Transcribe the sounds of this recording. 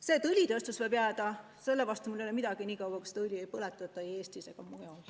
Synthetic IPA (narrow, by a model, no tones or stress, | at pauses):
se̞t̪ulʲit̪ɤst̪usvɤjbjæːd̪̥ɑ | se̞lːevɑst̪umulːejolemid̪̥ɑɡiniːkɑwɑku̥se̥t̪ɨlʲiejpɤlet̪ːˑɑet̪ːɑje̞ːst̪ise̞ɡ̥ɑmujol